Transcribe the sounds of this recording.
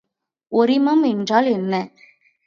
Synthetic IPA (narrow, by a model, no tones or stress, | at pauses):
ɔɾɪmɐmɛndraːlɛnːɐ